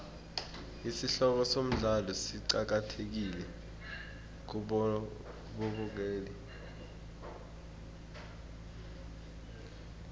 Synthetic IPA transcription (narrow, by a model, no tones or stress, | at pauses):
isiɬɔk̬ɔsom̩ɮalɔsiǀak̬atʰek̬ilɛ | ɓɔɓuk̬eːli